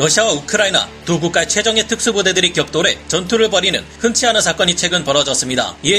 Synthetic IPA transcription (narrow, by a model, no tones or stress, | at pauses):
ɾʌɕʰiawaukʰɯɾaina̰tuɡuk͈aet͡ɕʰwe̞d͡ʑʌŋe̞tʰɯk̚s͈ubode̞dɯɾikjʌk̚t͈oɾe̞t͡ɕʌntʰuɾɯɭbʌɾinɯ̰nhɯnt͡ɕʰiɦanɯnsʰak͈ʌɲit͡ɕʰe̞ɡɯnpʌɾʌd͡ʑʌs͈ɯmɲida̰ie